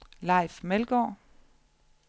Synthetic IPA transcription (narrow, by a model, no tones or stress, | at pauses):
lɑ̈ɪ̰fmelɡ̥ɒ̰ː